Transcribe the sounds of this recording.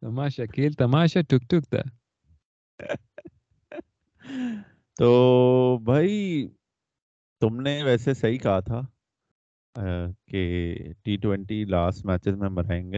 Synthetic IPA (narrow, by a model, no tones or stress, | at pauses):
t̪ɐmaːʃakiːlt̪ɐmaːʃaʈʰʊk̚ʈʊkt̪a̰ | t̪oːbʱaːi | t̪ʊmneʋɛːsesɐɦikɐɦat̪ʰaː | keʈiːʈwɛ̃ɳʈilaːsʈmæːt͡ʃɪzmẽmɐɾaːẽːŋɡeː